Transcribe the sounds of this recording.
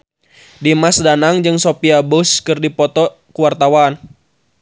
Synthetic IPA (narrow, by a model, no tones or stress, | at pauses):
dimasdanaŋd͡ʒɨŋsopiabʊskɨrdipɔt̪ɔ | kuwart̪awan